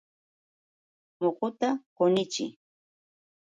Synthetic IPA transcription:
moqʊt̪aqʊnɪt͡ʃɪ̰

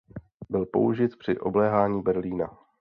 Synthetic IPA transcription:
bɪlpo̞̰uʒɪt̪pr̥ɪʔo̞̰blɛːɦaːɲiːbɛɾliːna̰

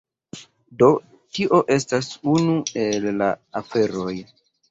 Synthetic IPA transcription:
do̞ | tiʔo̞ʔe̞stasunue̞lːa̰afe̞ɾo̞j

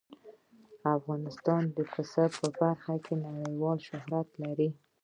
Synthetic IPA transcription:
afɣɑnɪst̪ɑnd̪əfɪsapəbaɾxakʰenaɽəjwɑlʃʊɦɾat̪laɾi

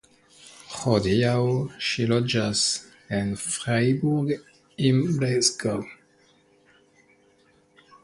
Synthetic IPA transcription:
χodiawʃilod͡ʒas | enfʁajbuɡ | imbɾesɡaw

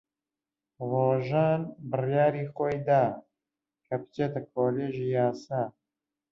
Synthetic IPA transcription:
roːʒaːnbɨrjaːɾiːxoːjd̪aː | kʰɐpɨ̥t͡ʃeːt̪ɐkʰoːleːʒiːjaːsaː

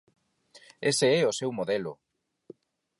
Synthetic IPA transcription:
eseɛosewmoðelʊ̰

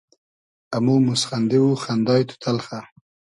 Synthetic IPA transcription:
amumʊsχand̪ewuxand̪ɑjt̪ʊ̥t̪ʰalχa

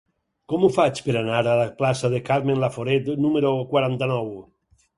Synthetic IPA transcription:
kɔmufat͡ʃpeɾanaɾalaplasaðekaɾmenlafoɾet̪numeɾokwaɾant̪anɔw

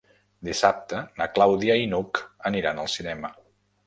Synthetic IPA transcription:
d̪isap̚t̪ənəklawðiainukəniɾanəlˠsinɛmə

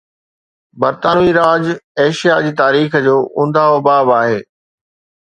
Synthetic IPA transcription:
bɐɾt̪aːnuiɾaːd͡ʑeːʃijad͡ʑiːt̪aːɾiːxd͡ʑoːʔʊ̃nd̪aːɦobaːbaːɦeː

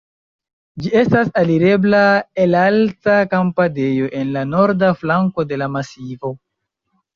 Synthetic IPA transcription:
d͡ʒie̞stasaliɾe̞blaelaltakampade̞jo̞ʔe̞nlano̞ɾdaflaŋko̞de̞lamasivo̞

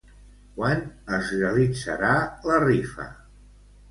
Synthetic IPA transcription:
kwanəzreəlid͡zə̰ɾalərifə̰

